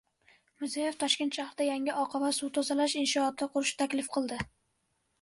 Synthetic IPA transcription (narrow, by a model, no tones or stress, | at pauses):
mɪzajeft̪ʰɒʃkʲet̪ʃahɾɪd̪ajaŋɪʔɒqʰɑvasut̪ʰozalaʃɪnʃɒːt̪̚ːaqʰʊɾɪʃɪ̥t̪ʰakʲlɪfqʰɨlˠd̪ɪ